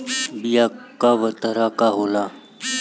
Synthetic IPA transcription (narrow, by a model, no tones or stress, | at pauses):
bijakaʋət̪əɾakaɦola